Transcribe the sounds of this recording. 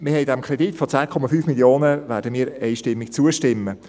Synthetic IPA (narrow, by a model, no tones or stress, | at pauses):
mɪhɛɪdɛmkʰʁɾɛditfɔt͡sæːkʰɔmɑfyːfmiljoːnəʋæːɾdəmiːɾɛjʃtɪmːik̚t͡suəʃtɪmːə